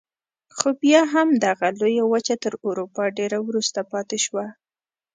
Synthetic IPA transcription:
xobjɑɦamd̪aɣalojawət͡ʃat̪əɾoɾupɑɖeɾawɾust̪apɑt̪eʃwa

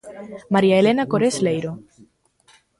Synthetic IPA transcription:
maɾiaelenakoɾeslejɾo

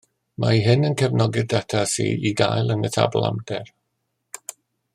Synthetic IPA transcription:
maiɦɪnənkʰɛvnɔɡɪd̚datʰasḭːiɡajlˠənətʰa̰bɔlˠa̰mdɛr

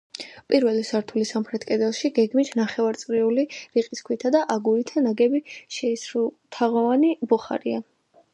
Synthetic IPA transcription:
pʼiɾvɛlisaɾt̪ʰulisamχɾɛt̪ʰkʼɛd̪ɛlˠʃiɡɛɡmit̪ʰnaχɛvaɾt̪sʼɾiuliɾiqʼiskʰwit̪ʰad̪aʔaɡuɾit̪ʰanaɡɛbiʃɛsɾut̪ʰaʁɔvanibɔχa̰ɾḭa

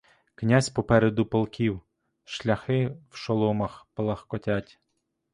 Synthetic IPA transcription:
knʲasʲpɔpɛɾed̪ʊpɔlˠkʲiw | ʃlʲɐxɪwʃɔlˠɔmɐxpɔlˠɐxkɔtʲatʲ

